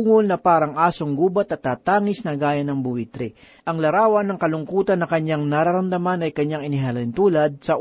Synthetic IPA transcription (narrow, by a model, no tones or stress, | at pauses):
ŋolnɐpaːɾɐŋʔaːsoŋɡuːbɐt̪ɐt̪ːaːt̪aːŋɪsnɐɡaːjɐnɐŋbʊwit̪ɾɛ | ʔɐŋlɐɾaːwɐnːɐŋkɐlʊŋkuːt̪ɐnːɐkɐɲaŋnɐɾaɾɐmd̪ɐmanɐjkɐɲːaŋɪnɪɦalɐɪnt̪uːlɐd̪̚sɐ